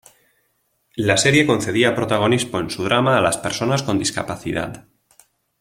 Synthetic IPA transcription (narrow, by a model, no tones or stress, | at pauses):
lase̞ɾje̞ko̞nθe̞ðiapɾo̞t̪aɣ̞o̞nispo̞e̞nsuðɾamaːlaspe̞ɾso̞nasko̞nd̪iska̰paθiða̰ð